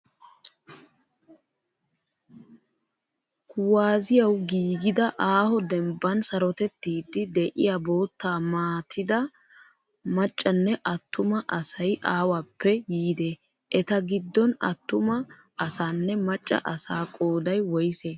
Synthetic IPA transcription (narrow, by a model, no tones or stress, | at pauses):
kʊwaːzɪjɐwɡiːɡɪd̪ɐʔaːhɔd̪ɛmbːɐnsɐɾɔt̪ɛt̪ːiːd̪ːɪd̪ɛʔɪ̰jaːboːt̪ːaːmaːt̪ʰɪd̪ɐ | mɐt͡ʃʼːɐnːɛʔɐt̪ːʊmɐʔɐsɐjʔaːwapːɛjiːd̪e | ʔɛt̪ɐɡɪd̪ːɔnɐ̰t̪ːʊmɐ | ɐsaːnːɛmɐt͡ʃʼːɐ̰ʔɐsaːkʼoːd̪ɐjwɔjɪseː